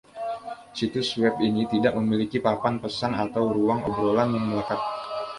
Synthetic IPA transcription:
sit̪uswɛp̚init̪idaʔ̚məmilikipapanpəsanat̪awɾuaŋo̰bɾolanjaŋməlakat̪̚

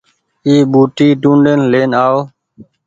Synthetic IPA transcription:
iːɓuːʈiːʈũːɳɖenleːnaːoː

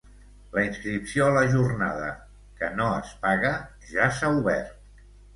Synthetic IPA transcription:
ləinskɾipsioələʒurna̰ðə̰ | kənoəspaɣə | ʒasauβɛ̰rt̪̚

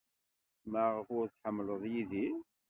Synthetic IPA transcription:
mæʁəfʊɾθħəmːləðˤjiði

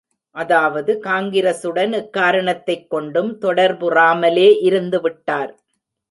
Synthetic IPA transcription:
ʔɐðaːʋɐðɯkaːŋɡɪɾɐsɯɽɐnɛkːaːɾɐɳɐt̪ːɐɪkːɔɳɖɯmt̪ɔɽɐɾbɯraːmɐleːʔɪɾɯnd̪ɯʋɪʈːaːɾ

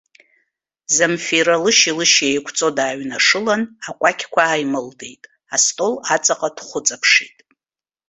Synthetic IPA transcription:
zamfiɾalɨʃilɨʃejkʷʰt͡sʼo̞daːɥnaʂɨlanakʷʼakʲʰkʷʰaːjmɨldejtʼ | astʼo̞lat͡sʼaqʼad̥χʷʊt͡sʼapʰʂitʼ

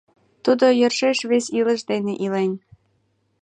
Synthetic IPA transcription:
t̪ud̪ojərʃeʃβesʲilə̆ʃd̪eneʔilenʲ

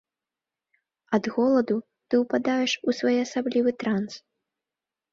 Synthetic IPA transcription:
ɐd̪ɣɔlˠɐd̪u | t̪ɨwpad̪ajɛʂusvɔjɐsablʲivɨt̪ɾans

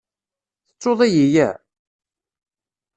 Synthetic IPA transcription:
θə̥t͡sːoðˤæjijæ̰

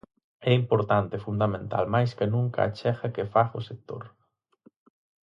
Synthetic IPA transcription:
ɛimpoɾt̪ant̪efund̪amẽnt̪a̰lmajskenũŋka̰a̰t͡ʃɛxɐkefaɣʊsek̚t̪o̰ɾ

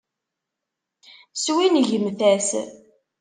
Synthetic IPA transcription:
swinʝəmθæs

